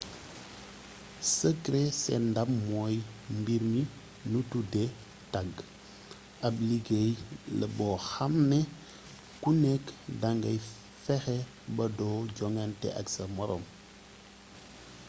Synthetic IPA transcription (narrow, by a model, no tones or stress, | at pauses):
səkɾesɛ̰ndammɔjmbiɾmi | nutudɛ | taɡ | ʔɐbliɡejlɐ̰bɔːxamnɛ | kunɛkdaŋɡɐj | fɛxɛ | bɐdɔːɟɔŋantɛ̰ʔɐ̰ksɐmɔɾɔ̰m